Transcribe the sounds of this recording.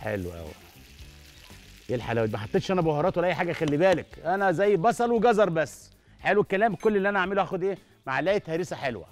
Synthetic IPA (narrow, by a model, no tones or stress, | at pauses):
ħḛlwʔæ̰wḭ | jelħalæwæd̪mæħɑt̪ːeːt̪ʃʔænæbohɑɾˤɑːt̪wælːʔæjːħaːɡæʔæxælːibæːlækʔænæzæjːbɑsˤɑlweɡɑzɑɾˤbæsː | ħelwekːælæːmkolːelːiʔænæʔaʕmeluʔæːxod̪ʔeː | maʕlæːjt̪hæːɾesæħelwæ̰